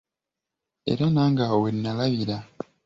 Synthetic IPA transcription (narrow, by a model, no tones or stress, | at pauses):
e̞̰ɾanaːŋɡawenːalaβiɾa